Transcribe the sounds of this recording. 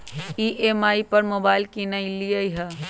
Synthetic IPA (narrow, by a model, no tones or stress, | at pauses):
iʔemaːipɐɾmoːbaːɪlkinailijəɦə